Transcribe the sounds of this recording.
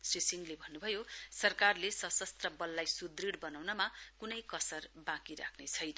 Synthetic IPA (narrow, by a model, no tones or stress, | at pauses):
srisiŋlebʱʌnːubʱʌjosʌrkarlesʌsʌst̪rʌbʌlːajsud̪riɽbʌnawnʌmakunʌjkʌsʌrbãkiɾa̰kʰnet͡sʰʌjnʌ